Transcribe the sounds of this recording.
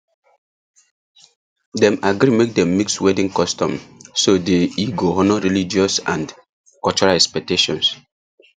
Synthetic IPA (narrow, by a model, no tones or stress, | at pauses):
dɛ̃maɡɾimek̚dɛ̃mːikswɛdĩŋkɔstɔ̰̃msodeiɡoɔnɔɹilid͡ʒiɔsã̰nd | kɔlt͡ʃuɹalɛkspɛk̚teʃɔ̰̃ns